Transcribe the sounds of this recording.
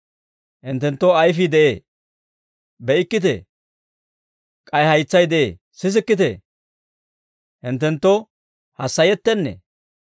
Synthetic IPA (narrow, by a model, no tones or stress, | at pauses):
hɪnt̪ːɛnt̪ːoɐjfɪd̪ɛʔeː | bɛɪkːɪt̪̬ḛ | kʼɐjhɐjt͡sːɐjd̪ɛʔḛː | sɪs̬ɪkːɪt̪ɛ̰ | hɪnt̪ːɛnt̪ːɔ | hɐsːɐjɛt̪ːɛnːɛ̰